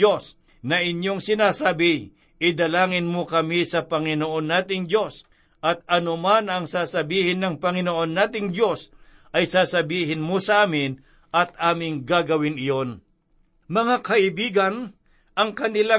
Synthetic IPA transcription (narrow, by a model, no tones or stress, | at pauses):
o̞s | nɐʔɪɲjo̞ŋsɪnaːsaːbɪ | ʔɪd̪ɐlaːŋɪnmokɐmisɐpɐŋɪnoʔo̞nːaːt̪ɪŋd̪jo̞s | ʔɐt̪̚ɐnomanɐŋsaːsɐbiːhɪnːɐŋpɐŋɪnoʔo̞nːaːt̪ɪŋd̪jo̞s | ʔɐjsaːsɐbiːɦɪnmosɐʔaːmɪn | ʔɐt̪aːmɪŋɡaːɡɐwɪnɪjo̞n | mɐŋakɐʔɪbiːɡɐn | ʔɐŋkɐnɪla